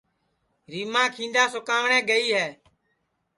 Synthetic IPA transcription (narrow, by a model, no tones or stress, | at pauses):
ɾiːmãːkʰĩːnd̪aːsʊkaːʋɳɛ̃ːɡəiːɦɛː